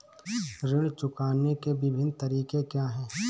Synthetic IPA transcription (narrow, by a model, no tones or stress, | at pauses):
ɾɪɽt͡ʃʊkaːnekebɪbʱɪnt̪əɾiːkekjaːɦɛː